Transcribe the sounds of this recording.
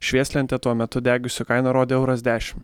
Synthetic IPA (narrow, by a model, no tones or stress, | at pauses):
ʃʲʋʲiɛsʲlʲɛnʲt̪ʲɛt̪uɔmʲɛt̪ʊd̪ʲæːɡʲʊsʲʊkɐɪnɐɾoːd̪ʲeːɛʊɾɐzʲd̪ʲæːʃʲɪ̥m